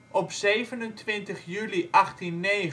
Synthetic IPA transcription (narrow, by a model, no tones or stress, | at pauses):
ʔɔpzejvənəntʋɪntəχjyliʔɑχtinːe